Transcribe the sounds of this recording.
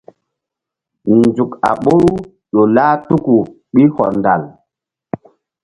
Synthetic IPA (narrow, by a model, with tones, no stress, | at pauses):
nd͡zu˨ka̰˨ɓo˦ɾu˦ | ɗo˨laː˦tu˦ku˨ | ɓi˦hɔ̰˨ɾnda˨l